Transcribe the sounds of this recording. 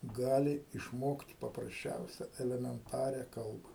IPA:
ˈɡɑːlʲɪ ɪʃˈmoːkt pɐprɐsʲˈt͡ʃʲɛʊsʲɛ ɛlʲɛmʲɛnˈtɑːrʲɛ ˈkɐlˠbɐ

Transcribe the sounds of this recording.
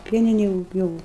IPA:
ˈpʲiɛnʲɪnʲeːj jʊk ˈjuːʊ

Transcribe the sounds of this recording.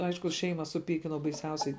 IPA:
ˈɐɪʃkʊ ˈʃʲɛɪmɐ sʊˈpʲiːkʲɪnɐʊ bɐɪˈsʲɛʊsʲɛɪ

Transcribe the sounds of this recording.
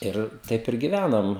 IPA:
ˈɪr ˈtɐɪp ɪr ɡʲɪˈʋʲænɐm

